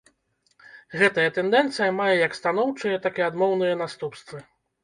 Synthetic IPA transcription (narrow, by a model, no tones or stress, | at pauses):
ɣɛt̪ɐjɛt̪ɛnd̪ɛnt̪sɨjɐmajɛjɐkst̪anɔwt͡ʂɨjɐt̪akiad̪mɔwnɨjɛn̪ast̪upst̪vɨ